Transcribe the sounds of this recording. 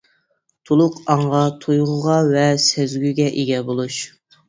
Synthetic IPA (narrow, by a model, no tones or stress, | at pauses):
t̪ʰolˠʊqɑɴʁɑt̪ʰojʁʊʁɑvɛsɛzɡʲyɡʲɛʔeɡʲɛbolˠuʃ